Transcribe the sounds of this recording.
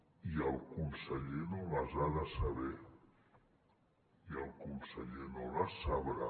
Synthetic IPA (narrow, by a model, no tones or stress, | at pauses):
iəlˠkunsəʎenolazaðəsəβɛ | iəlˠkunsəʎenolasaβɾa